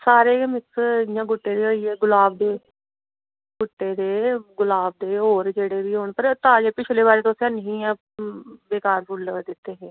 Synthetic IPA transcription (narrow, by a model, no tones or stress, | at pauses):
saːɾeːmɪksjãːɡʊʈːeːd̪eːoieːɡʊlaːb̚d̪eː | ɡʊʈːeːd̪eːɡʊlaːb̚d̪eːɦoːɾd͡ʒeːɽeːʋiːɦoːɳpəɾt̪ãːd͡ʒeːpɪt͡ʃʰleːbaːɾeːt̪õsənɦĩːɛ̃ː | beːkaːɾpʰʊld̪ɪt̪ːeːɦeː